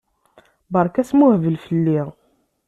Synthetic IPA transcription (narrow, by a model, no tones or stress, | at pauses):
bəɾˤkæsmuhvəlfəlːiʁ